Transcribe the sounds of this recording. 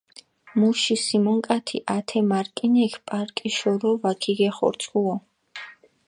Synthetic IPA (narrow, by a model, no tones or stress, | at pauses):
muʃisimɔŋkʼat̪ʰḭʔat̪ʰɛmaɾkʼinɛkʰpʼaɾkʼiʃɔɾɔvakʰiɡɛχɔ̰ɾt̪sʼuɔ